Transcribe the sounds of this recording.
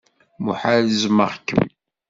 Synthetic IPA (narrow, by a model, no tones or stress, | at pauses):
mṵħaləzmə̰ʁkːə̰m